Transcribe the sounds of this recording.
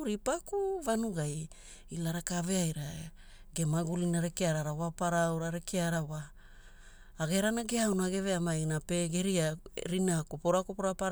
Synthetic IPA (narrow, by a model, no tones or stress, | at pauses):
ɾipakuvanuɡaj | ilaɾakave̞ajɾa | ɡe̞maɡulinaɾekeaɾaɾawapaɾawɾaɾekʰeaɾawa | ɡe̞ɾanaɡeawnaɡe̞veamajnapeɡeɾiaɾinakopoɾakopoɾapaɾ